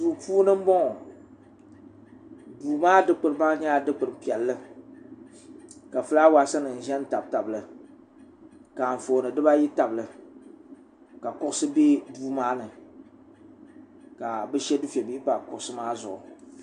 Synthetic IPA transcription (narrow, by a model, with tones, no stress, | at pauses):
duː˨puː˦nɨ˦m̩˦bɔ˦ŋɔ˨ | duː˨maː˦dɨ˦k͡pɨ˨ɾɨ˦baː˦ɲa˦a˨dɨ˦k͡pɨ˨ɾɨ˨˦pi˨ɛ˨lːɨ˦ | ka˨fɨ˦la˦wa˨˦sɨ˦nɨ˨n̩˨ʒɛ˦n˦ta˨b̚ta˨blɨ˨ | ka˨ɱ̩˨foː˨nɨ˨dɨ˦ba˦ji˦ta˨blɨ˨ | ka˨kʊ˦ʔʊ˦sɨ˦bi˦duː˦maː˦nɨ˨ | ka˨bɨ˦ʃɛ˦du˦fɛ˨bi˦pa˨kʊ˦ʔʊ˦sɨ˦maː˦zʊ˨ʔʊ˨